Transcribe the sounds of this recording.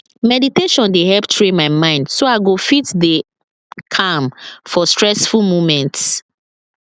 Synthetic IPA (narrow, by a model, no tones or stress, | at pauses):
mɛditeʃɔ̃ndehɛptʰɹẽmaɪmãɪ̃ndsoaɪɡofitde | kʰãmfɔstɹɛsfulmumɛ̃nts